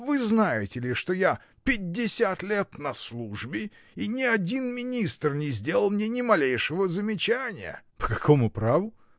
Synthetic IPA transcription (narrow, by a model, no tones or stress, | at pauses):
vɨznajɪtʲɪlʲɪʂt̪o̞ja | pʲɪdʲːɪsʲat̪lʲet̪nɐslˠuʐbʲɪ | inʲɪɐdʲinmʲɪnʲist̪rnʲɪzʲdʲelˠəlˠmnʲe̞nʲɪmɐlʲejʂəvəzəmʲɪt͡ɕænʲɪjə̰pə̥kɐkʰomʊpɾavʊ